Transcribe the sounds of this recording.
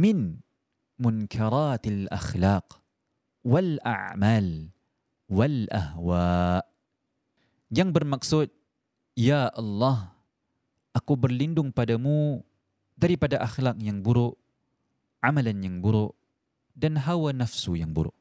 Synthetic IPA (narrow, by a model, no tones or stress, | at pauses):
mɪn | mʊnkʰaɾat̪alʔa̰xlaq̚ | walʔa̰ʕmaːl | walʔa̰hwaʔ | jaŋbərmaksʊt̪̚ | jaʔɑlːɑh | ʔakubərlindʊŋpadamu | daɾipadaʔaxlak̚jaŋbuɾʊʔ | ʕamalanjaŋbuɾʊʔ | danɦawanafsujaŋbuɾʊ̰ʔ